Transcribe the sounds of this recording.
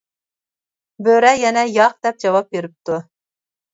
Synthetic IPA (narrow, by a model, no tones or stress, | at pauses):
bøɾɛjɛnɛjɑq̚d̪̥ɛp̚d͡ʒɑwɑp̚beɾɪp̚t̪u